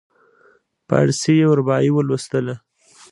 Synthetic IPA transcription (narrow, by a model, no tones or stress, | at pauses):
pa̰a̰ɽsejewəɾbɑiwəlwəst̪əla